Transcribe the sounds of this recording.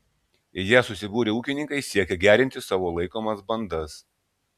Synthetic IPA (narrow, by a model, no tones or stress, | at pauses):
ɪjiːsʊsʲɪbuːɾʲeuːkʲɪnʲɪŋkɐɪsʲiɛkʲɛɡʲæːɾʲɪnʲt̪ʲɪsɑːʋoːlˠɐɪkoːmɐsbɐnd̪ɐs